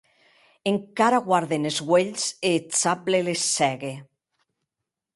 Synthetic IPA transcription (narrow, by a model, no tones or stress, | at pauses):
eŋkaɾaɣwaɾðenezɣweʎseːt͡saplelesːɛɣe